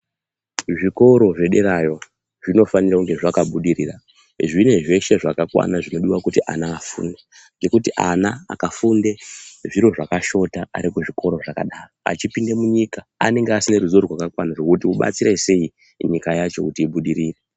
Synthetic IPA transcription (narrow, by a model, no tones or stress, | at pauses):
ʐiko̞ɾo̞ʐe̞ɗeɾajo̞ | ʐino̞fanirauŋɡe̞ʐakaɓuɗiɾiːra | ʐine̞ʐe̞ʃe̞ʐakakwa̰naʐino̞ɗiwakutiʔa̰naːfṵːnde | ŋɡekutiʔanaa̰kafundeʐiɾo̞ʐakaʃo̞taa̰ɾikuʐiko̞ɾo̞ʐaka̰ɗaːroa̰t͡ʃipinde̞muɲika | a̰ne̞ŋɡeasineɾuzorirwakakwanaʐo̞kutiuɓa̰t͡siɾeise̞i | ɲikajat͡ʃo̞̰kutiːɓuɗiɾiːre